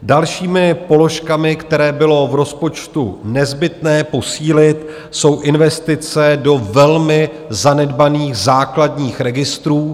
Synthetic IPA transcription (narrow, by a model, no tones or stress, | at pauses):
dalʃiːmɪpo̞lo̞ʃkamɪkt̪ɛɾɛːbɪlo̞vɾo̞spo̞t͡ʃt̪unɛzbɪt̪nɛːpo̞siːlɪt̪ | so̞wʔɪnvɛst̪ɪt͡sɛdo̞vɛlmɪ | zanɛdbaniːxzaːkladɲiːxɾɛɡɪst̪ɾuː